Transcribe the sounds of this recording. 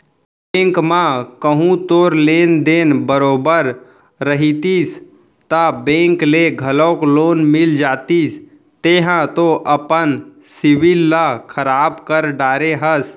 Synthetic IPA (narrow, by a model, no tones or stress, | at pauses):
bẽːŋkmãkəɦũt̪oːɾleːnd̪eːnbəɾoːbəɾː | əɦit̪is | t̪abẽːŋkleɡʱəlɔ̃ːkloːnmɪld͡ʒaːt̪is | t̪eɦãt̪oʔəpən | sɪʋɪlːakʰəɾaːbkəɾɖaːɾeɦəs